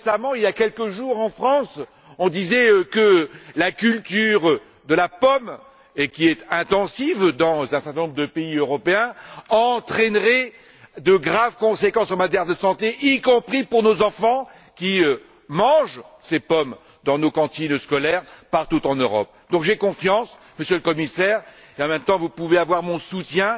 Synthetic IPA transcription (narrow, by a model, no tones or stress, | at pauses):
samɑ̃iljakʲɛlkəʒuʁɑ̃fχɑ̃s | ɔ̃d̪izɛøkəlakʲylt̪yːʁ | d̪əlapɔm | ekʲiɛt̪ɛ̃t̪ɑ̃sivd̪ɑ̃zɛ̃sɛʁt̪ɛ̃nɔ̃bʁd̪əpeiøʁɔpeɛ̃ɑ̃t̪χɛnʁɛ | d̪əɡʁavkɔ̃sekɑ̃somat̪jɛʁd̪əsɑ̃t̪eʔikɔ̃pχipuʁnozɑ̃fɑ̃ | kʲiø | mɑ̃ʒsepɔm | d̪ɑ̃nokɑ̃t̪inskɔlɛʁpaʁt̪ut̪ɑ̃nøʁɔp̚ | d̪ɔ̃kʒɛkɔ̃fjɑ̃s | məsjøləkɔmisɛʁ | eɑ̃mɛmt̪ɑ̃vupuveavwaʁmɔ̃sut̪jɛ̃